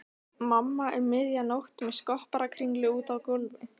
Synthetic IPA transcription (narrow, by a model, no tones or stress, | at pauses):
mamːaʔɛɾmɪðjanowht̪mɛðskɔhpaɾakʰɾiŋklɪuːt̪awkʊlvɪ